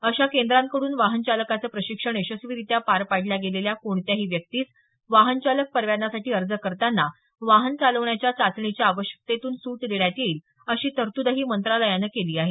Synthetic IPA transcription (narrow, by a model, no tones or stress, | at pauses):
əɕakend̪ɾãŋkəɽuːnʋaɦənt͡ɕaləkat͡səːpɾəɕikʂəɳeɕəsʋiːɾit̪japaɾpaɽ̤ljaɡeleljakoɳt̪jaɦiːʋjək̚t̪iːt͡s | ʋaɦənt͡ɕalək̚pəɾʋjanasaʈiːəɾd͡zəkəɾt̪anːa | ʋaɦənt͡saləʋɳjat͡ɕjat͡sat͡s̪ɳit͡ɕjaːʋəɕjə̥k̚t̪et̪uːnsuːʈd̪eɭjat̪iːl | əɕiːt̪əɾt̪ud̪əɦiːmənt̪ɾaləjanəkeliːaɦe